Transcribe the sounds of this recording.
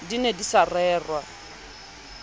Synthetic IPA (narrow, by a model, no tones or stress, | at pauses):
dinedisarɛːrwa